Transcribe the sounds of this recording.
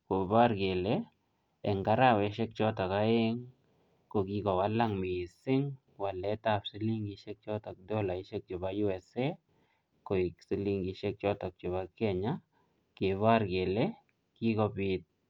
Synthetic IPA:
ko˨ba˦ɾɡe˨le˦ | ɛ˨ŋɡa˦ɾa˦wɛ˨ʃe˦k̚t͡ʃɔ˦tɔ˨ka˦e˦ŋ | ko˨ki˧kɔ˨wa˦la˦ŋmi˨sɪ˦ŋ | wa˨lɛ˨˦ta˨psi˦li˦ŋɡi˦ʃe˦k̚t͡ʃɔ˦tɔ˨k̚dɔ˦la˨i˦ʃe˦k̚t͡ʃo˨ba˦ju˦ɛ˨se˦ | ko˨i˨ksi˦li˦ŋɡiʃe˦k̚t͡ʃɔ˦tɔ˨k̚t͡ʃʊ˨βa˦kɛ˨ɲa˦ | ke˨βa˦ɾɡe˨le˦ | ki˦kɔ˦pit̚

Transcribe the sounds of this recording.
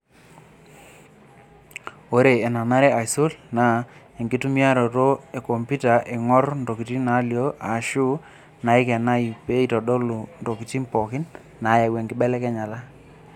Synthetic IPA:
o˨˦ɾe˨e˨na˨na˦ɾɛ˦a˨jso˦lna˨ | e˨ŋɡɪ˦tu˦mi˦a˦ɾo˨to˦e˨ko˨mpi˦ta˨ʔe˨ŋɔ˦ɾndo˨ki˨ti˦na˨˦ljo˦a˨ʃu˦ | na˨i˦kɛ˨na˦i˨pe˦i˦˨tɔ˨ɗɔ˦lu˨ndo˨ki˨t͡ʃi˦mpɔ˨kɪ˦n | na˨˦jɛ˨ɡwɛ˨ŋɡɪ˦ɓɛ˦lɛ˦kɛ˦ɲa˨la˦

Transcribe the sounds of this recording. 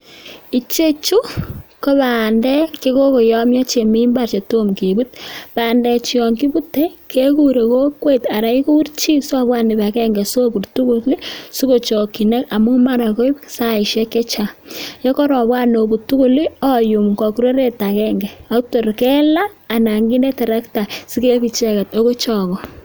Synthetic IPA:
i˨t͡ʃe˦t͡ʃu˦ko˦βaː˨ndɛ˦ke˦ko˦ko˨jɔ˦mjɔ˦t͡ʃe˨mi˦mba˨rt͡ʃe˨to˦mke˨bu˦t̚paː˨ndɛ˨t͡ʃi˦ɔ˨ŋki˦bu˦te˦kʰe˦ku˦ɾe˨ko˦kwe˦ta˨ɾa˨iku˦rt͡ʃi˦sɔ˦βwa˦ni˨ba˨kɛ˦ŋɡɛ˨so˦ku˨rtu˦kuli˦su˦ko˨t͡ʃɔ˨ki˨ne˦ka˨mu˦ma˦ɾa˨ko˦i̥˦sa˦ɪ˨ʃɛ˦kɛ˦t͡ʃa˨jɔ˦kɔ˦ɾɔ˨bwa˦no˨bu˨tu˦ku˦li˦ɔ˦ju˨mkɔ˨kuɾe˦ɾe˦ta˨kɛŋɡɛ˨a˨to˨ɾkɛ˦laː˦˨na˨ŋɡi˦nɛ˦tɛ˨ɾa˦kta˨si˦ke˦pi˨t͡ʃɛ˦ka˨to˦ko˦t͡ʃɔ˨kɔ˨

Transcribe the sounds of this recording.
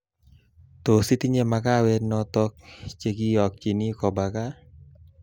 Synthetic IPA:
t̪o˨si˦t̪i˦ɲe˦ma˧ka˦we˧nɔ˧t̪ɔ˧k̚t͡ʃe˧ɡi˦ɔ˨k̚t͡ʃi˨ni˦kɔ˨ba˨ka˦

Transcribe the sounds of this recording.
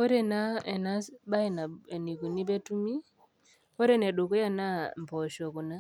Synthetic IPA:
ɔ˦ɾɛ˨na˦ɛ˨na˦ɓa˦ɛ˨na˨ɛ˨ni˨ku˨ni˦bɛ˦tu˦mi˦ | ɔ˦ɾɛ˦nɛ˨ɗu˨kɔ˦ja˦na˦m˨pɔ˨ʃɔ˨ku˨na˦

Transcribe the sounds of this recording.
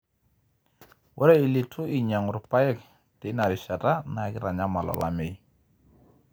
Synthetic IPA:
wʔɔ˦ɾɛ˦i˨li˨tʰu˦i˨ɲa˨ŋʊ˨ɾpa˦ɛ˦k̚ | tɪ˨na˨ɾɪ˨sa˨ta˦na˨kɪ˦ɾa˨ɲa˦ma˨lɔ̰˨la̰mɪ˨j

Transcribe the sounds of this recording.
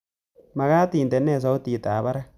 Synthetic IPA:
ma˨ɣaː˦tiː˨nt̪e˨nːɛː˦˨s̬a˦o˦t̪iː˨t̪aː˨βa˦ɾa˦

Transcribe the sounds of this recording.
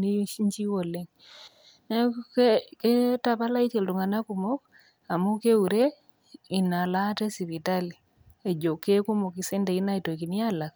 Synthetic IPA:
ni˦i˦ɲt͡ʃi˦wo˨le˨ŋ˦ | kke˦ta˨pa˦la˦i˦te˨ltu˨ŋa˨na˦ku˨mo˦k̚ | a˨mu˦ke˦u˨ɾe˦ | i˨na˨la˦tɛ˦si˨βi˨ta˦li˨ | e˨d͡ʒo˨kːe˦ku˦mo˨ki˨se˦nde˨i˦na˦i˨to˨ki˨nja˦la˨k̚

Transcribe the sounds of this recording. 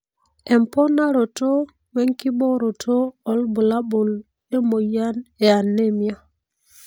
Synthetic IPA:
e˨mpo˦na˦ɾo˨to˦ | we˦ŋki˦ɓo˦ɾo˨tʰoː˦˨lbu˨la˦ɓo˨l | e˦mo˨ja˦ne˨a˨nːe˦mi˦a˦

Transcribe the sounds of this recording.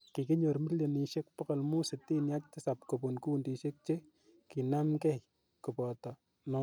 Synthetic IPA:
ki˨kɪ˦ɲo˨ɾmi˦ljɔ˨ni˨ʃe˦k̚pɔ˦kɔ˨lmu˦sɪ˨tːi˦nja˦k̚tɪ˦sa˨pko˨bo˨nku˦ndi˨ʃe˦k̚t͡ʃe˦ | ki˨na˦mkɛ˦ | kɨ˨pɔ˨tɔ˨ | nɔ˦

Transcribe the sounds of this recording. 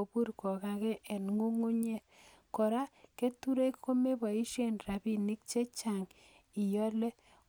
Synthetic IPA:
o˨bu˦ɾkɔ˨ka˨kɛ˦ʔɛ˨nŋu˦ŋu˦ɲe˦ | kɔ˨ɾa˦ke˦tu˦ɾe˦kko˦me˦ba˨i˦ʃe˦˨nra˨bi˦ni˦k̚t͡ʃe˦t͡ʃa˨ŋ | i˨jɔ˦lɛ˦

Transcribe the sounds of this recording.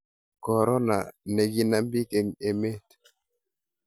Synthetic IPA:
kɔ˨ɾɔ˦na̰˨nɛ˨ɡi˦na˦mbi˦ke˨ŋe˨me˦t

